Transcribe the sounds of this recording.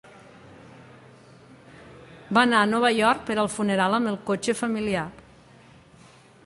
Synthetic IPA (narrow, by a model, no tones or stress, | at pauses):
banaənɔβajɔɾk̚pəɾəlˠfuneɾaləmbəlˠkot͡ʃəfəmilia